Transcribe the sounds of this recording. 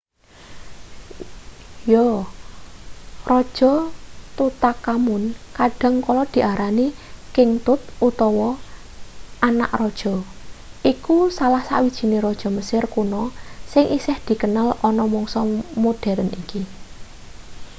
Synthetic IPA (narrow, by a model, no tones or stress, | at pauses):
jo | rɔd̥ʒ̥ɔ̤t̪ut̪akamʊnkaɖ̥a̤ŋkɔlɔd̪̥i̤ʔaɾʔanikɪŋt̪ʊt̪̚ut̪ɔwɔ | ana̰ʔrɔd̥ʒ̥ɔ̤ʔikusalahsa̰wid̥ʒ̥i̤neɾɔd̥ʒ̥ɔ̤məsɪrkunɔsɪŋʔisɪhd̪̥i̤kənalɔnɔmɔŋsɔmud̥ɛ̤ɾənḭki